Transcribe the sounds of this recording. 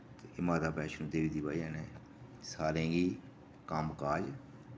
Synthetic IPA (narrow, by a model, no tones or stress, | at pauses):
t̪eɪmaːd̪aːpɛːʃnũːd̪eːʋiːd̪iːbaːiəːnẽː | saːɾẽːɡiː | kəmkaːd͡ʒ